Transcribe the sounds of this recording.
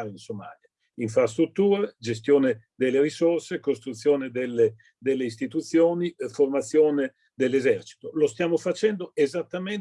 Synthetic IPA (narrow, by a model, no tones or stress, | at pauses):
ɾeinsoma̰ːlja | iɱfɾast̪ɾut̪ːuːɾad͡ʒes̬t̪joːned̪elːeɾisorsekost̪ɾut̪sːjoːned̪elːe | d̪elːeist̪it̪ut̪sːjoːniformat̪sːjoːne | d̪elːezɛrt͡ʃi̥t̪olost̪jaːmofat͡ʃɛnd̪oezat̪ːamen